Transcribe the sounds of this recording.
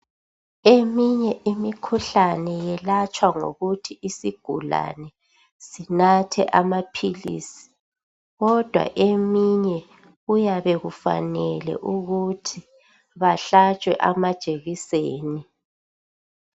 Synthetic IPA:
emiɲɛʔimikʰuɬanɛjɛlat͡ʃʼwaŋo̰ɣutʰiisiɡ̥ʱula̰nɛ | sinatʰɛ̰ʔamapʰilḭːsi̥ | ɣɔd̥ʱwa̰ʔemiɲɛ | ɣujaβɛɣufa̰nɛlɛ̰ʔuɣutʰi | βaɬat͡ʃʼwɛʔamad̥ʒ̥ʱeɣiseːni

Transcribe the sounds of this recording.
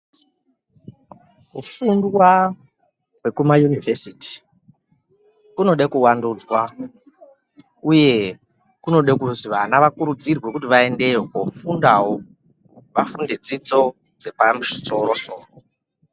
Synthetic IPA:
ɦufundwa | we̞kumajunivesiti̥ | kuno̞ɗakuwanduːd͡zwa | uje̞ | kuno̞ɗekuziʋanaʋakuɾud͡zirwe̞kutiʋae̞nde̞wofundaɦo | ʋafunded͡zid͡zo̞ | d͡ze̞pamuʐiso̞ɾo̞so̞ːro

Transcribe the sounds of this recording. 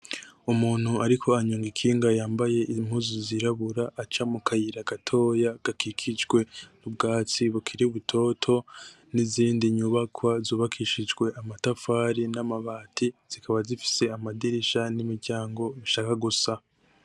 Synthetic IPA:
umuːn̥huaɾikʰo̞aɲuːŋɡikʰiːŋɡajaːmbaje̞ʔimhuziziɾaβuɾaʔːt͡ʃamukʰajiɾaɡ̥atʰo̞ːjaɡ̥akʰikʰid͡ʒɡwe̞nub̚ɡaːt͡siβukʰiɾiuβutʰo̞ːtʰo̞ | niziːndiɲuβakʰwazuːβakʰiʃid͡ʒɡwe̞ʔamatafaːɾinamaβaːtʰiz̥ikʰaβazifi̥se̞amadiɾiʃanimiɾɟaːŋɡo̞βiʃaːkaɡusa

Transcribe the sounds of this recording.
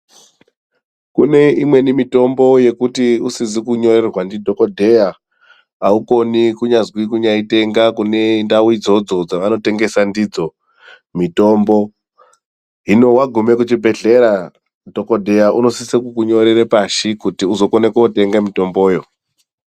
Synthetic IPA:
kune̞imwe̞nimito̞mbo̞je̞kutiusizikuɲo̞ɾe̞rwandidʱo̞kodʱe̞ja | auko̞nikuɲazwikuɲaite̞ŋɡakune̞ndawuid͡zo̞d͡zod͡zaʋano̞te̞ŋɡe̞sandid͡zo̞ | mito̞mbo̞ | ɦino̞waɡʱume̞kut͡ʃibʱe̞ɮe̞ɾa | dʱo̞ko̞dʱe̞jaʔuno̞sisikukuɲo̞ɾeɾepaʃikutiuzo̞konekeote̞ŋɡamito̞mbo̞ːjo̞

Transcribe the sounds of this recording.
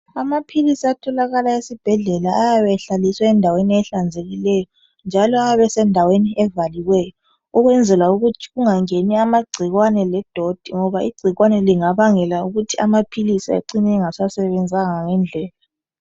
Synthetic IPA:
amapʰilisiatʰɔlaɣalaesib̥ʱɛɮɛlaːjaβɛɬaliswaɛndʱaweniɛɬand͡zʱeɣilɛjɔ | nd͡ʒʱalɔaβɛsɛndʱaweniʔɛvaliwɛjɔ | uɣwɛnd͡zʱɛlauɣutʰiɣuŋaŋeniamaɡ͡ǀʱiɣwanɛlɛd̥ʱod̥ʱiŋɔβaiɡ͡ǀʱiɣwanɛliŋaβaŋɛlauɣutʰia̰mapʰilisia̰ǀinɛŋasasɛβɛnd͡zʱaŋaŋɛnd͡ɮʱɛːla

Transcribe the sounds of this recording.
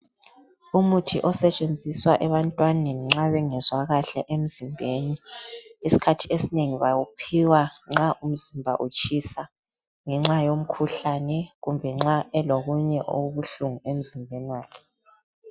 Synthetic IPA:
umutʰiʔɔsɛt͡ʃʼend͡zʱiswaʔɛβantʼwaneniŋ͡ǁaβɛŋɛzwaɣaɬɛʔem̩zimbʱeniː | si̥kʰatʰiesineŋiβawupʰiwaŋ͡ǁaʔum̩zimbʱa̰ʔut͡ʃʼisa | ŋɛŋ͡ǁajom̩kʰuɬanɛɣumbʱɛŋ͡ǁaɛloɣuɲɛʔo̰ɣuβuɬuŋuem̩zimbʱeniwaːkʰɛ̥

